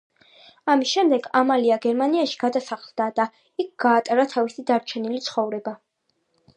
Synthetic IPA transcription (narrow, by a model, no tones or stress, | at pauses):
amisʃɛmd̪ɛɡamaliaɡɛɾmaniaʃi̥ɡ̥ad̪asaχlˠd̪ad̪̥a | ik̚ʰɡ̥aːt̪ʼaɾat̪ʰavisid̪aɾt͡ʃʰɛnilit̪sʰχɔvɾɛba